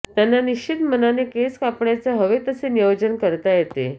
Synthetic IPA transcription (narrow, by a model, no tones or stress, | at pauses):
t̪janːaniɕt͡ɕʰit̪mənanekeskapɳjat͡səɦəʋet̪əsenijəwd͡ʑənkəɾt̪ajet̪ḛ